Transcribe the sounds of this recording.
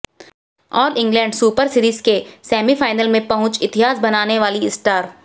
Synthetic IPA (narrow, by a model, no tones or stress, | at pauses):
ɔːɾɪ̃ŋɡlɛ̃ːɳɖsuːpəɾsɪɾiːzkesɛːmifaːɪnəlmẽpɐɦʊ̃t͡ʃɪt̪ɪɦaːzbɐnaːneʋaːliɪsʈaːɾ